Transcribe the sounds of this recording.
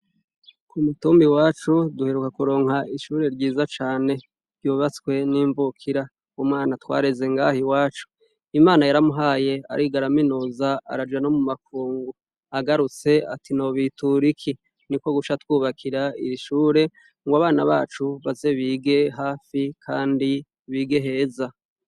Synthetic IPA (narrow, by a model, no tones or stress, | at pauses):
kʰumutuːmbiwaːt͡ʃuduhe̞ɾukakuɾo̞ːŋhaʔiʃuːɾe̞ɾɟiːzat͡ʃaːne̞̥ | juːβat͡skwe̞niːɱvukʰiɾa | umŋaːnatwa̰ːɾe̞ze̞ŋɡaːhiwaːt͡ʃu̥ | imaːnajaɾamuɦaːje̞a̰ɾiɡaɾaminuza̰ːɾad͡ʒano̞mumak̚ʰuːŋɡu | aɡaɾut͡se̞a̰tʰinoβituɾikʰi | niko̞ɡuʃatwuːβakʰiɾaḭɾiʃuːɾe̞ | ŋɡwaβaːnaβaːt͡ʃuβaze̞βiːɡe̞ɦaːfikʰaːndi | βiːɡeɦe̞ːza